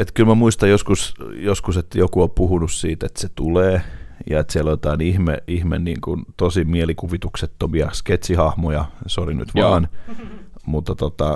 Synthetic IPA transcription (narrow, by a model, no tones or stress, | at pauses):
et̪kylmæmuist̪ɑjoskusjoskuset̪ːæjokuopuhunussiːt̪et̪set̪uleːjɑ̰et̪sieljot̪ɑinihmḛihmḛnnḭːŋkunt̪osimielikuʋit̪ukset̪ːomiɑksket̪ʲsihɑhmojɑsoriny̰t̪ʋɑːn | mut̪ːɑt̪ot̪ɑ